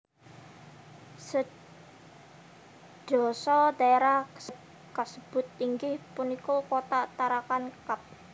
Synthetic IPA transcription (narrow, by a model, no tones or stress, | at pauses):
sə | ʒ̥ɔ̤sɔd̪aeɾahsə | kəsəb̥ʊt̪̚iŋɡɪhpunikokot̪aʔt̪aɾakankap̚